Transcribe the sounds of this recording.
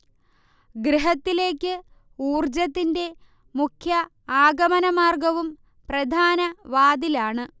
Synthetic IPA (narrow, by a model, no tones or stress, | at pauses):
ɡɾiɦɐt̪ːile̞ːkʲːɨ | uːrd͡ʑɐt̪ːinde̞ | mukʰjɐ | aːɡɐmɐnɐmaːrɡɐʋum | prɐd̪ʱaːnɐʋaːd̪ilaːɳɨ